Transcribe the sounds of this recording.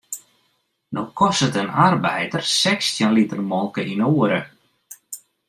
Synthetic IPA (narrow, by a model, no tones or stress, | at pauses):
nowkʰɔsətənarbɛjdərsɛkstjənlitərmɔlˠkəʔinoəɾə̰